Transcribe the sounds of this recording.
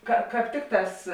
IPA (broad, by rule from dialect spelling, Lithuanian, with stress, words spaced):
kɐ ˈkɑːp ˈtʲɪkˌtɑːs